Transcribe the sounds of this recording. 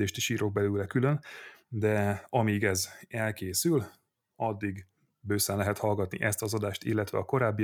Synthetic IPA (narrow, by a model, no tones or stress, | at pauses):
eːʃt̪iʃiːɾo̞ɡ̚bɛlylɛkylønd̪ɛɒmiːɡɛzɛlkeːsyl | ɒd̪ːiɡ | bøːsɛnlɛɦɛt̪hɒlɡɒt̪nḭʔɛst̪ɒzɒd̪aːʃt̪ḭlːɛt̪ʋɛ̰ɒko̞ɾaːbːi